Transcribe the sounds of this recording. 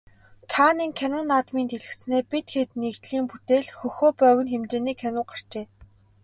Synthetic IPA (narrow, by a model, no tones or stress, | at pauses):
t̪ʰaːniːŋkʰænʊ̆naːt̪miːnt̪ʰeɮɘ̆kt͡sneːpit̪xet̪neɣt̪ɮiːmput̪eːɮxɵxoːpœːɣɵ̆nxemt͡ɕeːniːkʰænʊ̆ɢar̥t͡ɕeː